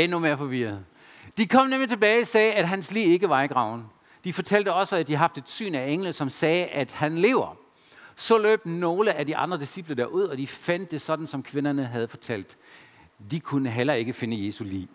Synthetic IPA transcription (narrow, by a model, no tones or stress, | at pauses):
enume̝ɐfɒ̽ʋiɐð̩ˠ | d̥ikʰɒ̽m̰nemlit͡sʰe̝b̥ɛːɪisɛːæd̥ɦænslḭːe̝ɡ̥əʋɑ̈iɡ̥ʁɑ̈ʊ̰n̩ | d̥ifɒ̽t͡sʰæl̰d̥əɒ̽səæd̥iɦɑ̈fd̥e̝d̥sy̰ːnæeŋ̰ləðsɒ̽msɛːʔæd̥hænle̝ʊɐ | sɒ̽lø̰ːb̥̚no̝ːləæd̥iʔɑ̈nd̥ʁɐd̥isib̥lədæɐuð̞̰ˠɒ̽d̥ifæn̰d̥ːe̝sɒ̽d̥n̩sɒ̽mkʰʋe̝nɐnəɦæð̞̩ˠfɒ̽t͡sʰæl̰d̥ | d̥ikʰunəɦelɐe̝ɡ̥əfe̝nəje̝ːsulḭː